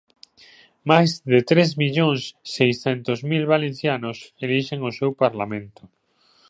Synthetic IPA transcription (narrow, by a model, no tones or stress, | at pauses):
majzðet̪ɾezmiʎoŋsːejsθent̪ozmilβalẽnθjanoseliʃeŋosewpaɾlamẽnt̪o̥